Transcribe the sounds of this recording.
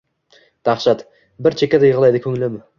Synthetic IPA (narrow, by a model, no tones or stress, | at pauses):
d̪̥ɑχʃɑt̪ | bɪɾt͡ʃʰekʲad̪ajəʁəlˠɑjd̪ɪkʲʰɵŋɪlɪmɪ